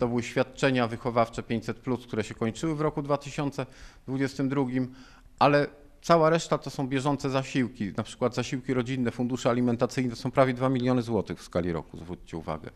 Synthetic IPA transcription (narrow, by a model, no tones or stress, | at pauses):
t̪ɔbɘwɘɕfʲjat̪̚t͡ʂɛɲavɘxɔvaft͡ʂɛpʲjeɲt͡ɕʲsɛt̪plusk̚t̪uɾɛɕɛkɔɲt͡ʂɘwɘvɾɔkud̪vat̪ɘɕɔnt̪sɛd̪vud͡ʑɛst̪ɘmd̪ɾuɡʲim | ʔalɛ | t̪sawaɾɛʂt̪at̪ɔsɔ̃w̃bʲjɛʐɔnt̪sɛzaɕiwkʲinapʂɘ̥kwad̪zaɕiwkʲiɾɔd͡ʑinːɛfund̪uʂɛalʲimɛnt̪at̪sɘjnɛt̪ɔsɔ̃w̃pɾavʲjɛd̪vamʲilʲjɔnɘzwɔt̪ɘɣfskalʲiɾɔ̰kuzvɾut͡ɕt͡ɕɛṵva̰ɡɛ̰